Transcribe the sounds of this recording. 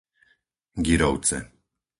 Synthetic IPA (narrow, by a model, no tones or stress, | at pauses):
ɡiɾɔwt̪t͡s̪ɛ̰